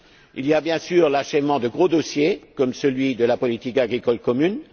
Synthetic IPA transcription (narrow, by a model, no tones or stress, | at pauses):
iliabjɛ̃syʁlaʃɛvmɑ̃d̪əɡʁod̪osjekɔmsəlɥid̪əlapɔlit̪ikaɡʁikɔlkɔmyn